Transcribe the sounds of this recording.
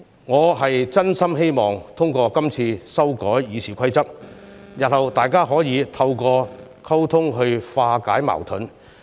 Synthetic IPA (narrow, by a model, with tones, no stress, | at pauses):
ŋɔː˨˧ɦɐ˨jt͡sɐ˥nsɐ˥mɦe˥jmɔː˨ŋt̪ʰʊ˥ŋkɔː˧kɐ˥mt͡sʰiː˧sɐ˥wkɔː˨˥jːiː˨˧sʰiː˨˩kʰɐ˥jt͡sɐ˥k̚jɐ˨t̚hɐ˨wt̪aː˨jkaː˥ɦɔː˨˥jiː˨˧t̪ʰɐ˧wkɔː˧ | kʰɐ˥wt̪ʰʊ˥ŋɦɵ˧ɥfaː˧kaː˨˥jma̰ː˨˩wt̪ʰɵ˨˥n